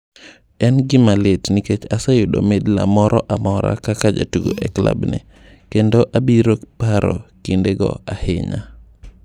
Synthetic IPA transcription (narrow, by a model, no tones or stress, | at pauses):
ɛnɡɪmaletniket͡ʃasajʊdo̰medla̰mɔɾʔɔʔamɔɾa̰kakad͡ʒa̰tuɡo̰ʔɛkla̰bnɛ̰ | kendoʔabiɾokpaɾɔ̰kindeɡɔ̰ahɪ̰ɲa̰